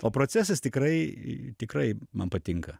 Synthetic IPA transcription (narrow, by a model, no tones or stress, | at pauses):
oːpɾoːtt͡ssʲæsɐst̪ʲɪkrɐɪt̪ʲɪkɾɐɪmɐnpɐt̪ʲɪŋkɐ